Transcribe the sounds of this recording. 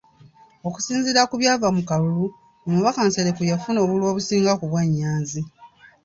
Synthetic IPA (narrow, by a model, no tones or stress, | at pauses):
o̞ku̥siːnziɾakuβjaːvamukalulu | omuβakanseɾekujafuno̞ːβulwo̞ːβusiːŋɡakuβwaɲːaːnzi